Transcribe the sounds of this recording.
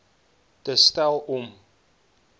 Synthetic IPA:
təstælˠɔm

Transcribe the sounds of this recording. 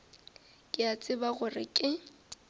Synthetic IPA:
kʼɪat͡sʼɪbaɣʊrɪ̰kʼɪ

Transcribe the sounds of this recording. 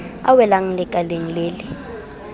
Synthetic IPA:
a̰wɛlaŋ̩lɛkʼaleŋileːlɪ

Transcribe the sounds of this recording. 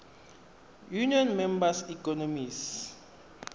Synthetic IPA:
juniɔnmɛmbasikɔnomis

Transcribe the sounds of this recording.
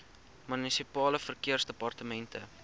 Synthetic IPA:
mynisipɑːləfərkiərsdəpɐrtəmɛntə̰

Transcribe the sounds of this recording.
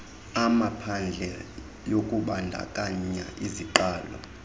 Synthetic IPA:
amapʰand͡ɮʱɛ | jokʼuɓandʱa̰kʼaɲaʔiziǃaːlɔ̰

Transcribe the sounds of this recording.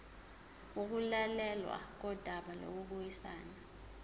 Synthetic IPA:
uk̬ulalɛlwa̰k̬ɔd̥ʱaɓalo̰k̬uɓujisaːna

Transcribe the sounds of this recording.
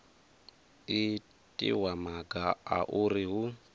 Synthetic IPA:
i | tʼḭwamaɡaa̰ʔuriɦu

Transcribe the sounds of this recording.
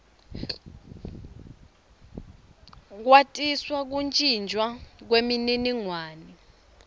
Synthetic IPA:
k̬watʼiswak̬unt͡ʃʼind͡ʒʱwak̬wemininiŋwaːni

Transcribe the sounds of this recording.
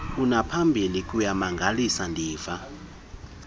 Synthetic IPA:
unapʰambʱilik̬ʼujamaŋɡʱalisandʱiːva

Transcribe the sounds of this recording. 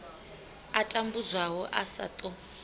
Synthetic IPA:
atʼambuzʷaɦɔʔasa̰t̪ʼɔ

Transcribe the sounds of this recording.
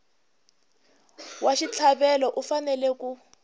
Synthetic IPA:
waʃit͡ɬʰaɓɛlɔʔufanɛlɛku

